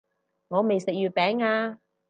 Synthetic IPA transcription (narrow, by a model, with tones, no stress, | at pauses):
ŋɔː˨˧me˨jsɪ˨k̚jyː˨˩t̚pɛː˨˥ŋaː˧